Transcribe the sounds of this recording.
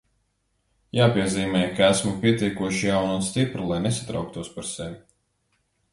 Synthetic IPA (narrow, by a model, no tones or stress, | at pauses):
jaːpiɛziːmɛːjkaæsmupʲiɛt̪ʲiɛkuɔʃijawnuːt̪st̪ipɾulˠajnesḁt̪ɾa̰wk̚t̪uɔspaɾsɛʋi